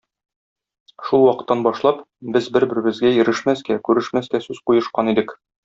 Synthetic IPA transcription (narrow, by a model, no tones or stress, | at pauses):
ʃulˠwɒqɤ̆t̪ːɑnbɒʃlˠɑp | bɘzbɘɾbɘ̆ɾɘ̆bɘ̆zɡæjɘ̆ɾɘ̆ʃmæskækʉɾɘ̆ʃmæskæsʉzqujɤ̆ʃqɑnid̪ɘk